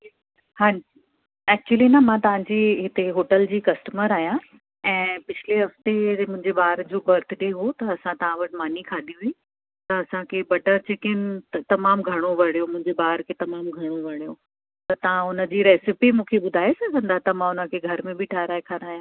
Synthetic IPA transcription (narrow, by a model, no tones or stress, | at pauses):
hãi | ɛːk̚t͡ɕuəlinɐmãt̪ɐʋ̤ãɲd͡ʑiːɦɪt̪eɦoːʈəld͡ʑiːkɐsʈəməɾaːɦijã | ɛ̃ːpɪt͡ɕʰɪleɦɐft̪emʊ̃ɦɪ̃ɲd͡ʑeɓaːɾd͡ʑoːkɐɾt̪ʰɗeɦot̪ɐɐsãt̪ɐʋ̤ãʋɐʈɪ̆maːnikʰaːɗ̪iɦʊĩ | t̪ɐɐsãkʰebɐʈəɾt͡ɕekɪnt̪ɐmaːmɡʱɐɽ̃oʋɐɽ̤̃ijomʊ̃ɦɪ̃ɲd͡ʑeɓaːɾkʰet̪ɐmaːmɡʱɐɽ̃oʋɐɽ̃ijo | t̪ɐt̪ɐʋ̤ãʊnə̆d͡ʑiːɾɛːsɪpimũːkʰeɓʊd̪ʱaːesɐ̃kʰɐ̃nd̪at̪ɐmãʊnəkʰeɡʱɐɾmẽbɪʈʰaːɦɾaːekʰaːɾaːjãː